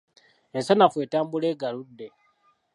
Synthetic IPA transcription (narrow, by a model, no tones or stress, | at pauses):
ensanafweːtaːmbuleːɡaludːe